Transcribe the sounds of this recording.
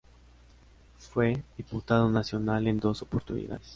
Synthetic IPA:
fweðiput̪aðonasjo̞nale̞nd̪o̞sopoɾt̪unḭða̰ðes

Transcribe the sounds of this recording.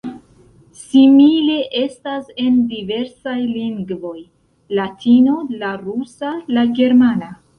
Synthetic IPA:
simile̞ʔe̞stase̞ndive̞ɾsajliŋɡvo̞j | latʰino̞laɾusalaɡe̞ɾmana

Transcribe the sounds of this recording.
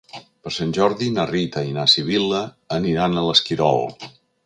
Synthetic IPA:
pəɾsanʲʒɔɾðinarit̪əinasiβ̞iləː | niɾanələskiɾɔ̰lˠ

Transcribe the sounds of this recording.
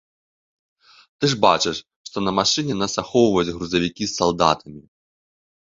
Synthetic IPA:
t̪ɨʐba̰t͡ʂɨʂ | ʂt̪ɔnɐmaʂɨnʲɛnasaxɔwvɐjud͡zʲɣɾuzɐʋʲikʲisːalˠd̪a̰t̪ɐmʲi

